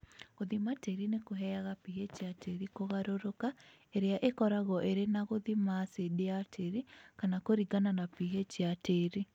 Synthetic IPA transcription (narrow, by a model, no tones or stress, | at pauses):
ɣoðimateɾinekoɦɛjaɣapihet͡ʃjateɾikoɣaɾoɾoka | eɾeaʔekɔɾaɣɔʔeɾenaɣoðimasedeatʰeɾikanakoɾiɡananapiɦet͡ʃjateɾi